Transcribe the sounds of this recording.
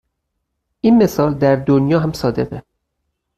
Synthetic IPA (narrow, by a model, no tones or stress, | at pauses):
ʔinme̞sɒːld̪æɾd̪onjɒːɦæmsɒːd̪e̞ʁe